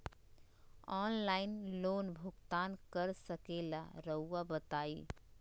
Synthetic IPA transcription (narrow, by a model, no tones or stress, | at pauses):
ɔːnlaːɪnloːnbʱʊɡt̪aːnkəɾsəkeːla̰ɾəuabət̪aːi